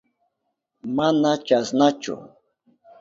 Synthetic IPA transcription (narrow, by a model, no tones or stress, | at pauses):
manat͡ʃasnat͡ʃʊ̰